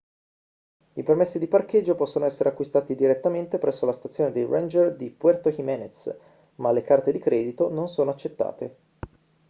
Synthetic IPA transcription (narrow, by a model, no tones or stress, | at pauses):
ipermesːid̪iparked͡ʒːopɔsːonoɛsːeɾeakːwist̪aːt̪id̪iɾet̪ːament̪epɾʔɛsːolast̪at̪sːjoːned̪ejrend͡ʒerd̪ipwɛrt̪okimɛnet̪s | malːekart̪ed̪ikɾɛːd̪it̪ononsoːnoat͡ʃːet̪ːa̰ːt̪e